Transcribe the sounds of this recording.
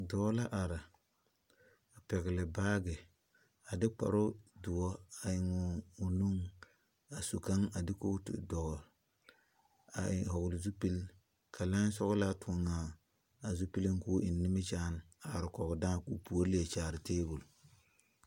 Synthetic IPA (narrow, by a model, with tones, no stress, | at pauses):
dɔː˨˦la˦ʔa˨ɾɪ˨ | a˨pɛ˨ɣɪ˨lɪ˨baː˦ɡɛ˨ | a˨dɪ˦k͡pa̰˨ɾo˦dʊ˨wɔ˦a˨ɪ˨ŋʊː˨nu˦ŋ | a˨su˨ka˦ŋa˨dɪ˦ko˦tɪ̰˨dɔ˨ɣ | a̰˨ɪ˨hɔ˨ɡʊ˨lɪ˨zu˦pi˦l | kʰa˨la˦sɔ˦ɣʊ˦la˦tʊ˨ŋaː˨ | a˨zu˦pi˦lɪ˦ŋ˦ku˦ʔɪ˨nːɪ˦mɪ˦t͡ʃaː˦n˨ | a˨ɾɪ˨kɔ˨ɡʊ˨daː˦˨ku˨pu˨o˦le˦e˨t͡ʃaː˨ɾɪ˨teː˦bʊ˨l